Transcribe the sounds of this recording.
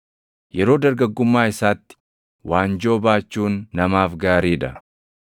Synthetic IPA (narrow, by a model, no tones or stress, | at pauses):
jɛɾo̞ːd̪ɐɾɡɐɡːʊmːaːɪsaːt̪ːɪ̥ | waːnd͡ʒo̞ːbaːt͡ʃːuːnːɐmaːfɡaːɾiːᶑɐ